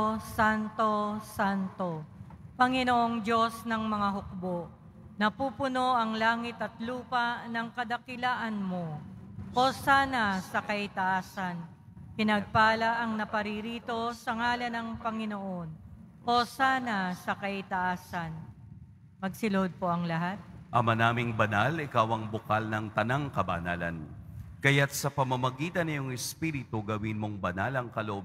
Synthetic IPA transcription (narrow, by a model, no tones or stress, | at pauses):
sant̪o̞sant̪o̞pɐŋɪnoʔoŋd͡ʒo̞snɐŋmɐŋaɦʊk̚boʔ | nɐpuːpʊno̞ʔɐŋlaːŋɪt̪ɐt̪luːpɐnɐŋkɐd̪ɐkɪlaːʔɐnmo̞ʔo̞saːnɐsɐkɐʔɪt̪ɐʔaːsɐn | pɪnɐɡ̚paːlɐʔɐŋnɐpɐɾiɾiːt̪o̞sɐŋaːlɐnɐŋpɐŋɪnoʔo̞n | ʔosaːnɐsɐkɐɪt̪ɐʔaːsɐn | mɐɡ̚sɪlod̪̚po̞ʔɐŋlɐɦat̪̚ʔɐmɐnaːmɪŋbɐnalɪkawɐŋbʊkalnɐŋt̪ɐnaŋkɐbɐ̰na̰lɐ̰nkɐjat̪̚sɐpɐmɐmɐɡiːt̪ɐnːɪjoŋɛspiɾɪt̪oɡɐwinmoŋbɐnalɐŋkɐloʔob